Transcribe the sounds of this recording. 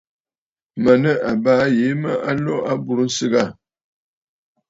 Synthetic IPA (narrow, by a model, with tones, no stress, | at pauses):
mə˨nə˦a˨baː˦je˨˦mə˦ʔa˦lɔ˦a˦bu˨ɾu˦n̩˦sɨ˦ɡa˦˨